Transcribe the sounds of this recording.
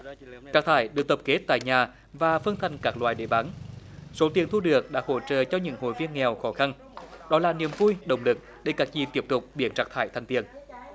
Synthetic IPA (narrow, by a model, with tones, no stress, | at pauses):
t͡ɕaː˦˥k̚t̪ʰaː˧˩jɗɨ˨˩ək̚t̪ə˨˩p̚ke˨˦˥t̚t̪a̰ː˧˨jɲaː˨˩ | vaː˨˩fə˧nt̪ʰa˨˩jŋ̟kaː˦˥k̚lwaː˧˨jɗe˧˩ɓaː˨˦nso˨˦t̪i˨˩ənt̪ʰu˧ɗɨ˨˩ək̚ɗa̰ː˧˥ho̰˧˩t͡ɕə̰ː˧˨t͡ɕɔ˧ɲɨ̰˧˥ŋɦo̰˧˨jvi˧ənŋɛ˨˩wxɔ˨˦xa˧n | ɗɔ˨˦laː˨˩nḭ˨˧˨əmvu˧jɗə̰˨˩wŋ͡mlɨ˨˩k̚ | ɗe˧˩kaː˨˦˥k̚zi˨˩t̪i˦˥əp̚t̪ʊ˨˩k͡p̚ɓḭ˨˧˩ənt͡ɕaː˨˥k̚t̪ʰaː˧˩jt̪ʰa˨˩jŋ̟t̪i˨˩ən